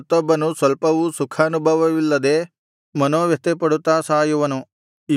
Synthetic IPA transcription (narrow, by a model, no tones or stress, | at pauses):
t̪ːɔbːɐnusʋɐlpɐʋusukʰaːnubʱɐʋɐʋilːɐd̪eː | mɐnoːʋjɐt̪epɐɽut̪ːaːsaːjuʋɐnu | i